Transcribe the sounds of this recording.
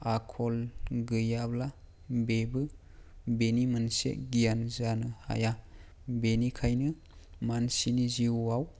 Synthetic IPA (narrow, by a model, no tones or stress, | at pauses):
akʰɔlɡɯjabla | bebɯ | benimansḛɡijanzanɯha̰ja | benikʰajnɯ | mansiniziuaw